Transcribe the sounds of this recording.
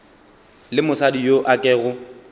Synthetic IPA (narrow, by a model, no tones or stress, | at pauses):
lɪmʊsadijoʔakʼɛːɣʊ